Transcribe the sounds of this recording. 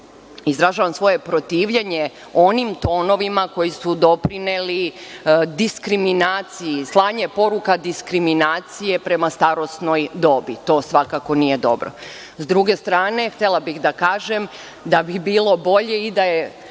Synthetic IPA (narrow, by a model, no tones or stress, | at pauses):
izɾaʒaːʋamsʋo̞je̞pɾot̪iːʋʎeɲe̞ | o̞nimt̪o̞ːno̞ʋimako̞jisud̪o̞pɾineli | d̪iskɾiminaːt̪sijislˠaːɲepo̞ɾukad̪iskɾiminaːt̪sije̞pɾe̞mast̪aɾo̞sno̞jd̪o̞ːbit̪o̞ːsʋakako̞nije̞d̪o̞bɾo̰ | zd̪ɾuɡe̞st̪ɾaːne̞xt̪e̞lˠabixd̪akaːʒem | d̪abibiːlˠo̞bo̞ʎe̞id̪aje